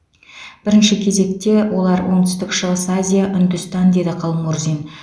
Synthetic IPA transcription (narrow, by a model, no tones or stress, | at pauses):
b̥ɪɾɪnʃɪkʲʰe̞ze̞kt̪e̞wʔo̞lˠɑɾwo̞ɴt̪ʰʏ̥st̪ɪkʃəʁəsazʲijaʔʏnd̪ʏst̪ɑnd̪e̞d̪ɪqʰɑlˠmurzin